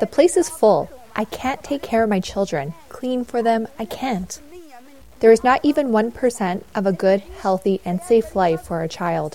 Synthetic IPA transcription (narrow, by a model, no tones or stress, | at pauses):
ðɨpʰl̥eɪsɨz̥fʊlˠʔaɪkʰæ̃ntʰeɪkʰɛɹʌvmaɪt͡ʃʰɪlˠdɹɨ̰̃nkʰl̥ĩnfə˞ðɨ̃maɪkʰæ̃nt | ðə˞ɨznəɾʔivɨ̃nwʌ̃npʰə˞sɛ̃ntʔʌvəɡʊd̚hɛlˠθiʔɨ̃nseɪflaɪfə˞ɨt͡ʃʰaɪlˠd̥